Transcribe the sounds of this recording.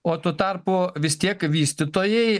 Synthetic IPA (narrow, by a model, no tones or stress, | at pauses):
oːt̪uːt̪ɑɾpʊʋʲɪst̪ʲiɛkʋʲiːsʲt̪ʲɪt̪oːjɛɪ